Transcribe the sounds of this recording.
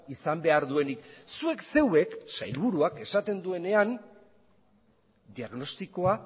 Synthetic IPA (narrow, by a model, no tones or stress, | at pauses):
isambe̞aɾðue̞niksue̞kse̞we̞ksa̰jlβuɾuake̞sat̪e̞nd̪ue̞ne̞an | d̪iaɣno̞st̪ikoa